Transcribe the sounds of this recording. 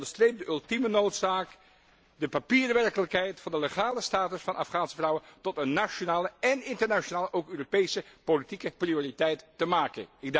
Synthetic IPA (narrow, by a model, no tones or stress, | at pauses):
ndəɹstreːjp̚dəʔɵlˠtimənowtsaːk | dəpapiːrəʋɛrkələkɦɛjtfɑndəleχaːləstaːtəsfɑnʔɑfχaːnsəvrʌwəntɔtənːat͡ʃonaːləɛnɪntəɹnaʃonaːləʔowkøːropejsəpolitikəprioːritɛjttəmaːkə̰nɪɡ̚